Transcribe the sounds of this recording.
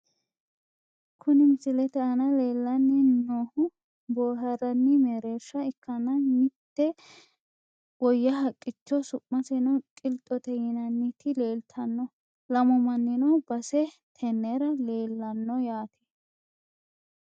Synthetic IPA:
kʰʊnɪmɪsɪlɛt̪ɛɐnɐleːlːɐnːɪnoːhʊ | boːɦɐɾɐnːɪmeɾeːʃːɐɪkːɐnɐnɪt̪ːɛ | wɔjːɐɦɐkʼːɪt͡ʃːɔsʊʔmɐsɛnɔkʼɪlt̪ʼːɔt̪ɛjɪnɐnːɪt̪ɪle̞ːlt̪ʰɐnːɔ | lɐmɔmɐnːɪnɔbɐsɛ | t̪ʰɛnːɛɾɐleːlːɐnːɔjaːt̪ʰe̥

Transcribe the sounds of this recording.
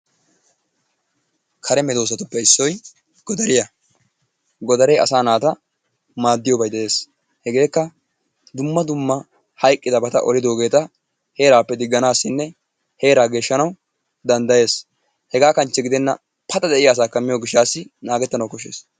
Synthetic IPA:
kʰɐɾɛmɛd̪oːs̬ɐt̪ʊpːɛɪsːɔj | ɡ̥ɔd̪ɐɾɪjɐ | ɡɔd̪ɐɾɛjɐ̰saːnaːt̪ɐ | maːd̪ːɪjɔbɐjd̪ɛʔe̞ːs | hɛɡe̞ːkːɐ | d̪ʊmːɐd̪ʊmːɐ | hɐjkʼːɪd̪ɐbɐt̪ɐ̰ʔɔlɪd̪o̞ːɡe̞ːt̪ɐ | he̞ːɾaːpːɛd̪ɪɡːɐnaːsːɪnːɛ | he̞ːɾaːɡe̞ːʃːɐnɐw | d̪ɐnd̪ɐje̞ːs | hɛɡaːkɐnt͡ʃːɛɡɪd̪ɛnːɐ̰ | pʰɐt̪ɐd̪ɛʔɪjaːs̬aːkːɐmɪjoːɡɪʃːaːsːɪnaːɡɛt̪ːɐnɐwkɔʃḛːs

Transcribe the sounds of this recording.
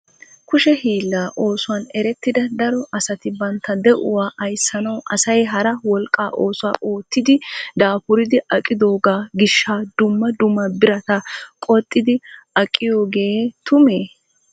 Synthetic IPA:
kʊʃɛhiːlːaːʔo̞ːsʊwɐnɛɾɛt̪ːɪd̪ɐd̪ɐɾɔʔɐsɐt̪ɪbɐnt̪ːɐd̪ɛʔʊwaːʔɐjsːɐnɐwʔɐsɐjɦɐɾɐwɔlkʼːaːʔo̞ːsʊwaːʔoːt̪ːɪd̪ɪd̪aːpʊɾɪd̪ɪʔɐkʼːɪd̪o̞ːɡaːɡɪʃːaːd̪ʊmːɐd̪ʊmːɐbɪɾɐt̪ɐkʼɔt̪ʼːɪd̪ɪɐkʼːɪjo̞ːɡe̞ːt̪ʊmeː

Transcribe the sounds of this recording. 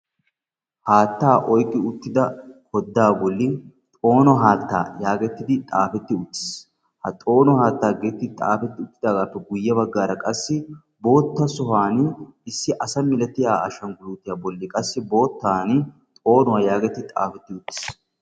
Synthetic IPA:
haːt̪ːaːʔɔjkʼːɪʊt̪ːɪd̪ɐkʰɔd̪ːaːbɔlːɪ | t̪ʼo̞ːnɔɦaːt̪ːa̰ːjaːɡɛt̪ːɪd̪ɪt̪ʼa̰ːfɛt̪ːɪʊt̪ːɪ̥s | hɐ̰t̪ʼo̞ːnɔhaːt̪ːaːɡeːt̪ːɪd̪t̪ʼa̰ːfɛt̪ːɪʊt̪ːɪ̥d̪aːɡaːpːɛɡʊjːɐbɐɡːaːɾɐkʼɐsːɪ | bo̞ːt̪ːɐsɔhaːnɪsːɪʔɐsɐmɪlɛt̪ːɪjaːɐʃɐnɡʊluːt̪ːɪjabɔlːɪkʼɐsːɪbo̞ːt̪ːaːn | t̪ʼo̞ːnɔwɐjaːɡɛt̪ːɪd̪ɪt̪ʼa̰ːfɛt̪ːɪʊt̪ːɪ̥s

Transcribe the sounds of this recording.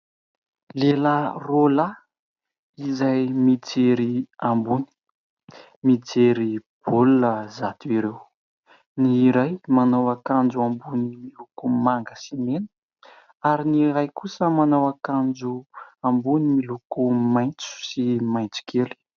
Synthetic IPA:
lelarola | izajmit͡seɾiambuni̥ | mit͡seɾib̥ulunəzat̪uiɾew | niːɾajmanawakand͡ʒuambunimilukumaŋɡəsimenə̥ | aɾiniɾajkusəmanawakand͡ʒuambunimilukumajnt͡su̥simajnt͡si̥kʰeli̥

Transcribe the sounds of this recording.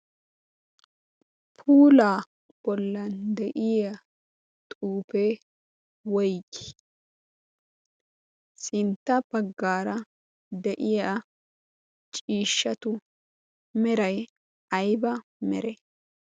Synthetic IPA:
pʰuːlaː | b̥ɔlːɐnd̪ɛʔɪja | t̪ʼuːpe | wɔjkɪ̥ | sɪnt̪ːɐb̥ɐɡːaːɾɐ | d̪ɛʔɪja | t͡ʃʼiːʃːɐt̪ʊ | mɛɾɐj | ɐjbɐmɛ̰ɾɛ

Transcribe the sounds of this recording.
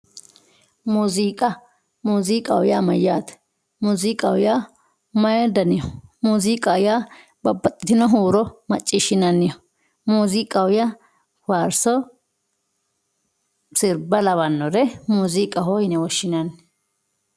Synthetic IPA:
muːziːkʼɐ | muːziːkʼɐ̰wʊjaːmɐjːaːt̪ | muːziːkʼɐwʊjaː | mɐjɛd̪ɐnɪjɔmuːziːkʼɐʊjaː | bɐbːɐt̪ʼːɪt̪ɪnɔɦuːɾɔmɐt͡ʃʼːɪʃɪnɐnːɪjɔ | muːzikʼɐwʊja | waɾsɔ | sɪɾbɐlɐβɐnːɔɾɛmuːziːkʼɐɦɔhɪnɛwɔʃːɪnɐn

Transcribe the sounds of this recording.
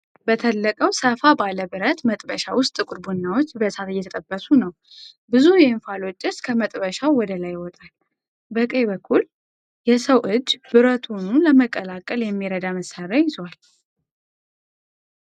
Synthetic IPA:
bət̪ʰəlːəkʼəwsəfabaləbɨɾət̪mət̪ʼbəʃawʊst̪ʼɨkʼʊɾbunːawo̞t͡ʃːbəsat̪jːɛt̪ʰət̪ʼəbːəsunəw | bɨzujɛnfalo̞t͡ʃʼːɨskʰəmət̪ʼbəʃawwɔd̪əlajɪwɔt̪ʼal | bəkʼəjbəkʰːul | jɛsəwʔɨd͡ʒːbɨɾət̪ʰunuləməkʼːəlakʼːəljɛmːiɾəd̪aməsarajɪzwal

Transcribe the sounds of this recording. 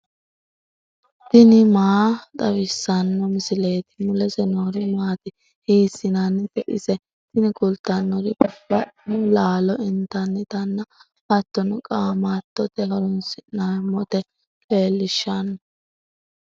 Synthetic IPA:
t̪ɪnɪmaːt̪ʼɐwɪsːɐnːɔmɪsɪle̞ːt̪ɪ̥mʊlɛsɛnoːɾɪmaːt̪ɪ | hiːsːɪnɐnːt̪ɛʔɪ̰sɛ | t̪ɪnɪkʼʊlt̪ːɐnːɔɾɪb̥ɐʔɪnʊlaːlɔʔɪnt̪ɐnːɛt̪ɐnːɐ | hɐt̪ːɔnʊkʼaːmat̪ːɔt̪ɛhɔɾɔnsɪnamːɔt̪ɛ | kʼeːlːɪʃːɐn

